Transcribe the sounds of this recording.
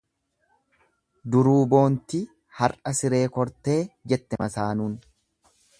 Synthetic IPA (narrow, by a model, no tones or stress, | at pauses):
d̪ʊɾuːbo̞ːnt̪ɪ | hɐɾʔɐsɪɾe̞ːkɔɾt̪e̞ːd͡ʒɛt̪ːɛmɐsaːnuːn